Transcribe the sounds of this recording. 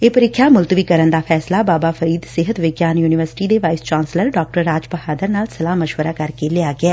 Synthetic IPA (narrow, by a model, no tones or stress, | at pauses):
eːpəɾɪkʰːjaːmʊlt̪ʋiːkəɾənd̪aːpʰɛːslaːbaːbaːfʰəɾiːd̪sɪɦət̪ʋɪɡjaːnjuːnɪʋəɾsɪ̥ʈiːd̪eːʋaːɪst͡ʃaːnsləɾɖɔːk̚ʈəɾːaːd͡ʒpəhaːd̪əɾnaːlsəlaːməʃʋəɾaːkəɾkeːlɪaːɡɪɛː